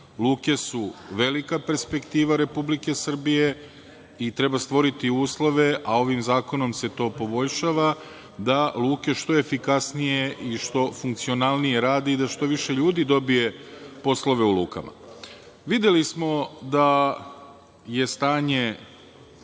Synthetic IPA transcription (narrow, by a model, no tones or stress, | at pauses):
lˠuːke̞suʋe̞likape̞ɾspe̞kt̪iːʋaɾe̞publike̞sr̩bije̞ | it̪ɾe̞bast̪ʋo̞ɾit̪iuːslˠo̞ʋe̞ʔao̞ʋimzaːko̞no̞mse̞t̪o̞ːpo̞bo̞ʎʃaʋa | d̪alˠuːke̞ʃt̪o̞e̞fikasnije̞ʔiʃt̪o̞fuŋkt̪sio̞nalˠnije̞ɾaːd̪iːd̪aʃt̪o̞ʋiʃe̞ʎuːd̪id̪o̞bije̞po̞slo̞ʋe̞ulṵːka̰ma̰ | ʋid̪jelismo̞d̪a | je̞st̪aːɲe̞